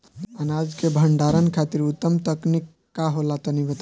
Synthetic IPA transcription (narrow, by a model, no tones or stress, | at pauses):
ənad͡ʒkebʱəɳɖaɾənkʰat̪iɾut̪ːəmt̪əknikːaɦolat̪ənibət̪a